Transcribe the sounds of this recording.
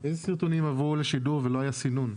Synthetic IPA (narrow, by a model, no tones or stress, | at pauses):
ezesiʁt̪onimavuleʃiduʁvelo̞ɦajasinun